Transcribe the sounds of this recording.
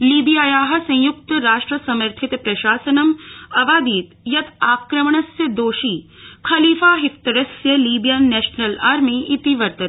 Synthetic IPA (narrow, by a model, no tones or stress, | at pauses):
liːbijaːjaːɦɐ̆sɐ̃j̃juk̚t̪ɾaːʃʈɾɐsɐmɐɾt̪ʰit̪pɾɐʃaːsɐnɐmɐbaːd̪iːt̪jɐt̪aːkɾɐmɳɐsjɐd̪oːʃiːkʰɐliːfaːɦikt̪ɐɾɐsjɐliːbijaːnɛːʃnɐlaːɾmiit̪iʋɐɾt̪ɐt̪